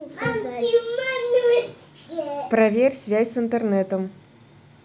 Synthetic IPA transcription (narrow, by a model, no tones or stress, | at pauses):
pɾɐvʲerʲsʲvʲæsʲsɨnt̪ərnɛt̪əm